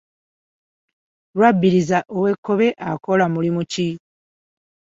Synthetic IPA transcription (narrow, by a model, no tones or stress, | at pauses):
lwabːiɾizaʔowe̞kʰːo̞βe̞ʔako̞lamulimuci